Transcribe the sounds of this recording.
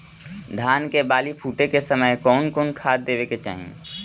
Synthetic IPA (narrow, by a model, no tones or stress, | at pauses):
d̪ʱaːnkebaːlipʰuːʈekesəməjkɔːnkoːnkʰaːd̪̚d̪eːʋeket͡ʃa̰ːɦḛ̃